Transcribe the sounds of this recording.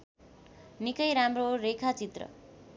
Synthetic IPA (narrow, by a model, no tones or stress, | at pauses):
nikʌjɾamroɾekʰat͡sit̪rʌ̰